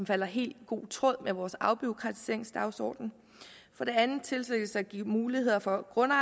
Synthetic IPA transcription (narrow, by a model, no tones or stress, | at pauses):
mfæl̰ɐɦe̝̰ːld̥ɡ̥o̝̰ːt͡sʰʁɔ̽ð̰ˠmeʋɒːsɑ̈ʊb̥yʊkʰʁɑ̈t͡sʰi̥se̝̰ɐ̰ɪŋsd̥ɑ̈ʊsɒ̰ːd̥n̩ | fɒ̽ɾ̥e̝ænð̩ˠt͡sʰe̝lseɡ̥əsɑ̈ɡ̥ḭmuːlihe̝ð̞̰ˠɐfɒ̽ɡ̥ʁɔ̽nɑ